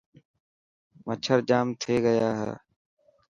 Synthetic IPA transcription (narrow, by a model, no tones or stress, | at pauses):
mət͡ʃʰəɾd͡ʒaːmt̪ʰeːɡəjaːɦḛː